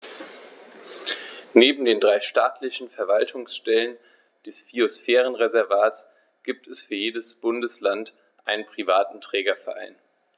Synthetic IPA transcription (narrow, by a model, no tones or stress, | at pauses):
neːbm̩deːndʁaɪʃtaːtʰlɪçn̩fɛɐvaltʰʊŋsʃtɛlən | d̥ɛsfiosfɛːʁ̞ənʁezɛɐvaːtt͡s | ɡ̥iːp̚tɛsfyːɐjeːdəsb̥ʊndəslant | ʔaɪnənpʁ̥ivaːtn̩tʁ̥ɛːɡɐfɛɐʔa̰ɪn